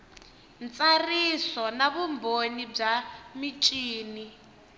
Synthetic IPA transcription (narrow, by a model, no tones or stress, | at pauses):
nt͡sʼarisɔnaβumbʱonib͡ʐamit͡ʃʼiːni